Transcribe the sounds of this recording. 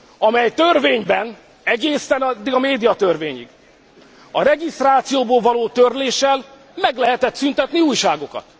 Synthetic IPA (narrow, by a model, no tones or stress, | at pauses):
ɒmɛjt̪ørveːɲbɛn | ɛɡeːsɛnɒd̪ːiɡɒmeːd̪ijɒt̪ørveːɲḭɡ | ɒɾɛɡist̪raːt̪sijoːboːlvɒloːt̪ørleːʃɛl | mɛɡlɛɦɛt̪ɛt̪synt̪ɛt̪niuːjʃaːɡo̞kɒ̰t̪